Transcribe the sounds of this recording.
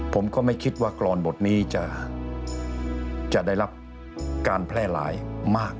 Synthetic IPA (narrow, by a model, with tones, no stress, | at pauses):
pʰo˩˦mkɔː˥˩ma˥˩jkʰi˦˥t̪̚waː˥˩klɔː˧nbo˨˩t̪̚niː˦˥t͡ɕa˨˩ | t͡ɕa˨˩da˥˩jɾa˦˥p̚ | kaː˧npʰlɛː˥˩la̰ː˩˦jmaː˥˩k̚